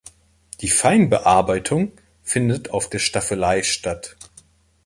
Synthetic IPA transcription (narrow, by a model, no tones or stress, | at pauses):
d̥iːfaɪnbəʔaɐbaɪtʰʊŋ | fɪndətʰaʊfd̥eːɐʃtafəlaɪʃtat